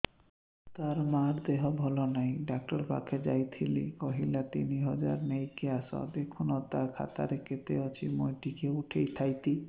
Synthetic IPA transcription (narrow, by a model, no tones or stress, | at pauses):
t̪aɾmaɾd̪eɦɔbʱɔlɔnajɖak̚ʈaɾka̰kʰed͡ʑa̰jt̪ʰilḭkɔɦilat̪iniɦɔd͡ʑaɾmejkeasɔ̰d̪ekʰunɔt̪aɾkʰa̰t̪a̰ɾeket̪eɔt͡ɕʰimojʈikeuʈʰejt̪ʰajt̪i